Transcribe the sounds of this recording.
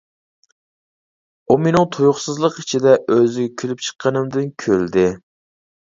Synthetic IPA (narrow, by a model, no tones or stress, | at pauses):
umenɪŋt̪ʰojʊχsɨzlˠəqi̥t͡ʃʰid̪ɛʔøzɪɡʲɛkʲʰylyp̚t͡ʃʰə̥qʰːɑnɨmd̪ɪnkʲʰøld̪ɪ